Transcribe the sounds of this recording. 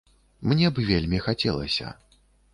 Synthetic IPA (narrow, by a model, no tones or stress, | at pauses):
mnʲɛbɨvʲelʲmʲixat͡sʲɛlˠɐ̰sʲɐ̰